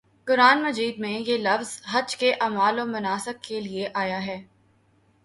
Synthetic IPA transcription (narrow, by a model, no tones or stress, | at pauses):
kʊɾaːnmɐd͡ʒiːd̪̚mẽjelɐfzɦɐd͡ʒkeʔaːmaːlomʊnaːsək̚kelieʔaːjaɦɛː